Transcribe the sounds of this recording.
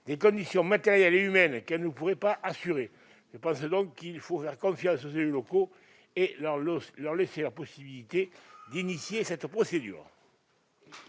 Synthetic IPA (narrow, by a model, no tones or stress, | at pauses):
d̪ekɔ̃nd̪isjɔ̃mat̪eʁjɛleymɛnkɛlnəpuʁepaʔasyʁe | ʒ̥əpɑ̃səd̪ɔ̃ŋkːilfofɛʁəkɔ̃fjɑ̃sos̬eyloko | eʁlœʁleselapɔsibilit̪ed̪inisjesɛt̪əpχɔsed̪y̰ːʁə